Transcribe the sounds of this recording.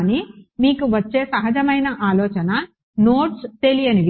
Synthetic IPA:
nimiːkuʋɐt͡ʃːeːsɐɦɐd͡ʒɐmɐjnɐʔaːlɔːt͡ʃɐnɐ | noːʈst̪elijɐniʋ

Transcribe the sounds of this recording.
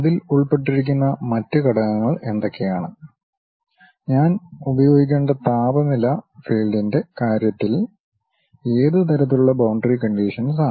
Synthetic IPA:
ɐðiluɭpe̞ʈ̬ːiɾik̬ʲːunːɐmɐtːɨkɐɽɐŋɐŋːɐɭe̞nd̪okʰːejaːɳɨ | ɲaːnubɐjo̞ːɡikʲːe̞ːɳɖɐt̪aːbɐmilɐfiːlɖinde̞kaːɾjɐt̪ːil | e̞ːðɨt̪̬ɐɾɐt̪ːiluɭːɐbɐwɳɖɐrikɐɳɖiːʂɐnsaː

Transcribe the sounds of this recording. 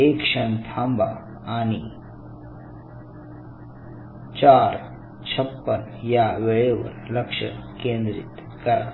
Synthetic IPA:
eːkʂənt̪ʰambʱa̰ | ani | t͡ʃaːɾ | t͡ɕʰəpːənjaʋeɭeʋə̰ɾləkʂə̰kẽːnd̪ɾḭt̪ | kɐɾa

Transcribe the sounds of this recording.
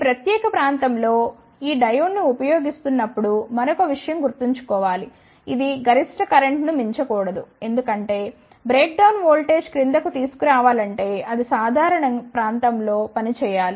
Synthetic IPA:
pɾɐt̪jɛːkɐpɾaːnt̪ɐmlo̞ː | iːɖɐjunːiupɐjo̞ːɡist̪unːɐpːuɽumɐɾokɐʋiʂɐjɐmɡuɾt̪iɲt͡ʃu̥kɔːʋaːli | id̪iɡɐɾisʈɐkɐɾeɳʈnumiɲt͡ʃɐkuːɽɐd̪ue̞nd̪ukɐɳʈe̞ː | bɾeːk̚ɖɐwnʋoːlʈe̞ːd͡ʒkɾind̪ɐkut̪iːsu̥kuɾaːʋaːlɐɳʈe̞ːɐd̪isaːd̪ʱaːɾɐɳɐŋpɾaːnt̪ɐmlo̞ːpɐnit͡ʃɛːjaːli

